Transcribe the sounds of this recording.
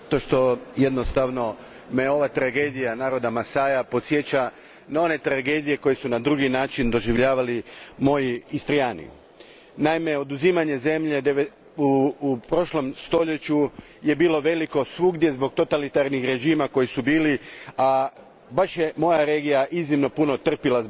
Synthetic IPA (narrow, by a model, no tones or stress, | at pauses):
at̪o̞ʃt̪o̞jed̪nost̪aʋno̞ | meo̞ʋat̪ɾaɡeːd̪ijanaːɾo̞d̪amasaːjapo̞t̪sje̞t͡ɕa | nao̞ne̞t̪ɾaɡe̞ːd̪ije̞ko̞je̞sunad̪ɾuɡinaːt͡ʃind̪o̞ʒiʋʎaːʋalimo̞jiːst̪ɾijaːnḭ | naime̞o̞d̪uzimaɲe̞ze̞mʎe̞d̪e | upɾo̞ʃlo̞mst̪o̞ʎe̞t͡ɕu | je̞biːlˠo̞ʋe̞liko̞sʋuɡd̪je̞zbo̞ɡ̚t̪o̞t̪alit̪aɾnixɾe̞ʒiːmako̞jisubiːlia | baʃjemo̞jaɾe̞ːɡijaʔiznimno̞punot̪r̩pilaz